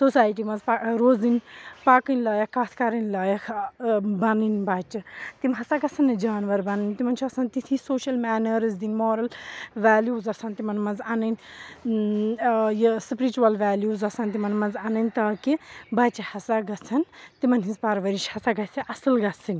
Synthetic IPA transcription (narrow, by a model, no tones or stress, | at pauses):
sosaːjʈ̬imɐzpaɾoːzinpakɨnʲlɐːjakaːt̪ʰkɐɾɐnlɐːjakʰbɐnɨnbat͡ʃɐt̪imɦɐsaɡɐt͡sʰɐnɐd͡ʒaːnʋɐɾbɐnɨnʲt̪imɐnt͡ʃʰuɐsɐnt̪it̪ʰisoːʃɐlmɛːnɐɾzd̪inmɔːɾɐlʋaːljuːzɐsʰɐnt̪imɐnmɐnzanɐnʲ | jspɾit͡ʃuɐlʋaːljuːzɐsʰɐnt̪imɐnmɐnzanɐnʲt̪ɐːkibɐt͡ʃɐhɐsaɡɐt͡sʰɐnt̪imɐnɦĩnzpɐɾʋɐɾiʃhɐsaɡɐsʰiʔɐsɨlɡɐt͡sʰɨnʲ